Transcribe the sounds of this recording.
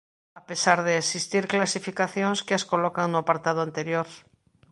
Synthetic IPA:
ape̞saɾðeːsist̪iɾklasifikaθjo̞nskeasko̞lokaŋnuapaɾt̪að̞oant̪eɾjoɾ

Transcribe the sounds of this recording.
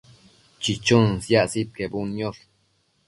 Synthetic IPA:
t͡ʃit͡ʃunsjaʔsit̪̚kebunjoɾ

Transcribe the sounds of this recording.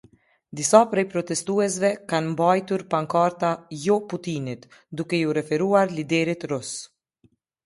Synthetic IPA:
d̪isapɾɛjpɾɔt̪ɛst̪uɛs̬vɛkanmbajt̪uɾpaŋkaɾt̪ajɔput̪init̪d̪ukɛjuɾɛfɛɾuaɾlid̪ɛɾit̪ɾus

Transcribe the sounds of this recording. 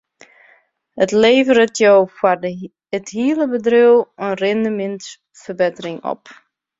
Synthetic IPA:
hətleːvəɾətjowfwar | əthiələbədriwənrɪndəmɪnt | fərbɪtərɪŋɔ̰p

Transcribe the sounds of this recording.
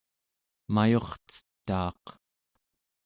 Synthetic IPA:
majo̞χt͡sə̥t̪ːɑ̰ːq

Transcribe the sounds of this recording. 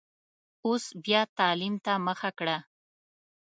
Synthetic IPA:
ʊsbjat̪aːlɪmt̪amaχakɽa

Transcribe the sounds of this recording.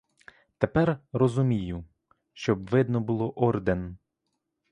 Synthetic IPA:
t̪epɛrrɔzʊmʲijʊ | ʃt͡ʃɔbʋɪd̪nɔbʊlˠɔʔɔrd̪en

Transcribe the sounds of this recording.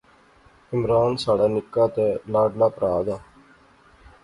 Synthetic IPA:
ɪmɾaːnsaːɽaːnɪkːaːt̪eːlaːɖlaːpəɾaːd̪aː

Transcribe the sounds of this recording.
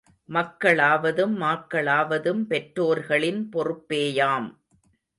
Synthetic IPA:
mɐkːɐɭaːʋɐðɯmːaːkːɐɭaːʋɐðɯmpɛʈɾoːɾɣɐɭɪnpɔrɯpːeːjaːm

